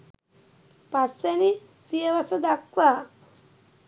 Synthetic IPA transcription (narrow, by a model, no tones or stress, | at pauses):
paseni | sijeʋasɐd̪akʋa